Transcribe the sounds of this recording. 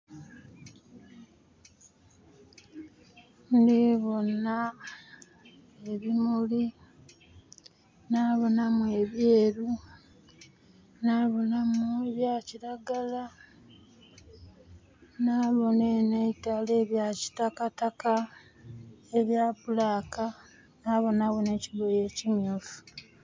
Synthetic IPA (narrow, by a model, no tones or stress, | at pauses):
ndiβo̞na | eβimuli | naːβo̞namue̞βjeːɾu | naβo̞namueβjaciɾaɡala | naːβo̞neneitaleːβjaci̥takataka | eβjaːpulaːka | naːβo̞naβo̞ne̞ːciβoje̞ːcimjuːfu̥